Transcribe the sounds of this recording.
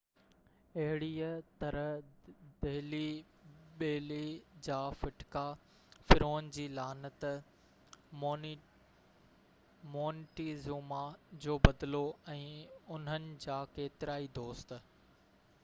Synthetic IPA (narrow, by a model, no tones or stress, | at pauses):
ɐɦɪɽiːət̪ɐɾədɐɦli | ɓeːlid͡ʑaːfɪʈka | fɪɾoːnd͡ʑiːlaːnət̪ | moːnʈizuːmad͡ʑoːbɐd̪ɪloɛ̃ːʊn̤ənɪ̆d͡ʑaːkeːt̪ɪɾaːid̪oːst̪̆